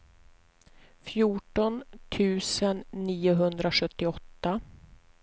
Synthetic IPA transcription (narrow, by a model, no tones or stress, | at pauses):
fjuːʈɔnt̪ʰʉ̟ːsənːiːʊɦɵnd̪ɾaɧɵt̪ːɪɔt̪ːa